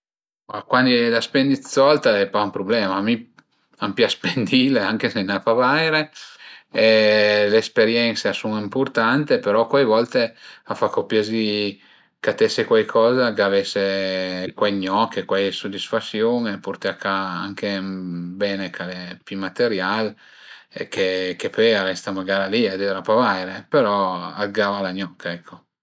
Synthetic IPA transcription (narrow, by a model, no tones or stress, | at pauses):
makwand̪ilaspend̪isɔlt̪aepaumpɾoblɛːmami | ampjaspend̪ileaŋk̟esenafavajɾe | eleːspeɾjɛnt̪seasunimport̪ant̪epeɾɔkwajvɔlt̪eafakːopjezi | kat̪esekwajkʰɔːzaɡavesːekwajɲɔkːekwajsod̪ːisfasjoŋepurt̪eakaaŋk̟ebɛːnekʰalepimat̪eɾjal | kʰekepɔjaɾɛst̪amaɡaːɾaliad̪eɾapavajɾepeɾɔaɡavalaɲɔkʰːaɛkʰːo